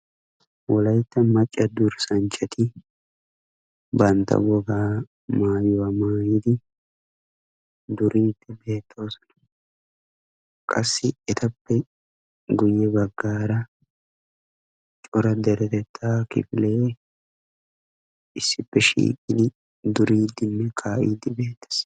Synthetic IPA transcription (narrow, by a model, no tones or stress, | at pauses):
wɔlɐjt̪ːɐmɐt͡ʃʼːɐd̪ʊɾsɐnt͡ʃʼːɐt̪ɪ | bɐnt̪ɐ̰wɔɡaː | maːjʊwɐmaːjɪd̪ɪ | d̪ʊɾiːt̪ːɪbe̞ːt̪ʰːoːsɔ̥nɐ̥ | kʼɐsːɪɛt̪ɐpːɛ | ɡʊjːɛbɐɡːaːɾɐ | t͡ʃʼɔɾɐd̪ɛɾɛt̪ɛt̪ʰːaːkɪ̰fɪle̞ː | ʔɪsːɪpːɛʃḭːkʼɪd̪ɪ | d̪ʊɾiːd̪ːɪnːɛkʰaːʔḭːd̪ːɪbe̞ːt̪ːɐ̥s